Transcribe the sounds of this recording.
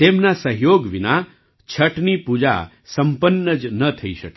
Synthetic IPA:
t̪emnasəɦjoɡʋina | t͡ʃʰəʈnipud͡ʒa̰ | səmpənːəd͡ʒnət̪ʰəiʃəke

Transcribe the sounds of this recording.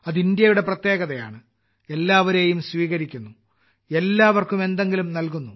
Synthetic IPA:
ɐðind̪jɐjuɽe̞prɐt̪jeːɣɐðɐja̰ːɳɨ | e̞lːaːʋɐɾe̞ːjumsʋiːɣɐɾikʲːunːu | e̞lːaːʋɐrkume̞nd̪e̞ŋɡilumnɐlkunːu

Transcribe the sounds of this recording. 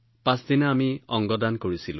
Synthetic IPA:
pãsdinaːmiɔŋɡɔdankoɹisilʊ̰̃

